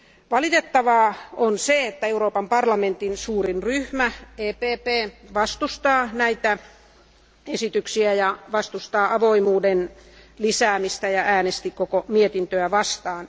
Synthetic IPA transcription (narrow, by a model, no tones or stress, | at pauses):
ʋɑlit̪et̪ːɑʋɑːonseet̪ːæeuɾoːpɑmpɑrlɑment̪insuːrinryhmæeːpeːpeːʋɑst̪ust̪ɑːnæit̪æ | esit̪yksiæjɑʋɑst̪ust̪ɑːʔɑʋoimuːdenlisæːmist̪æjɑʔæːnest̪ikokomiet̪int̪øæʋɑst̪ɑːn